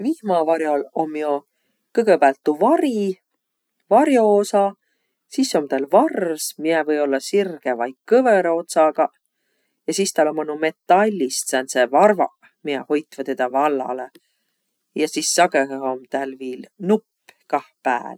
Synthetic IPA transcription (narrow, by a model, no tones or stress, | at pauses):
vihmɑvɑɾjolo̞mːjo | kɤɡ̥ebæːlt̪ːuvɑɾi | vɑɾjo̞osɑ | siso̞mt̪ælvɑrvsmiɛvɤjo̞lːɑsirɡ̥evɑjk̚kɤveɾo̞t̪sɑɡɑ | jɑsist̪ælo̞monume̞t̪ːˑɑlʲːist̪sænsevɑrvɑ̰ | miɛ̰ho̞jt̪ːvɑt̪ed̪̥ɑvɑlːɑ̰le | jɑsisːɑɡeho̞mt̪ælviːlnupːkɑhpæ̰ːl